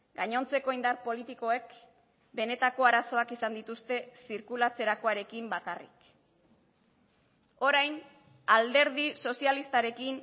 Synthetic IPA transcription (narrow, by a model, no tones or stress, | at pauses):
ɡaɲo̞nt͡seko̞ind̪aɾpo̞lit̪iko̞e̞k | be̞ne̞t̪ako̞aɾaso̞akisand̪it̪ust̪e̞siɾkulat͡se̞ɾakoaɾe̞kimbakarḭk | o̞ɾajn | ald̪e̞ɾðiso̞sialist̪aɾe̞kin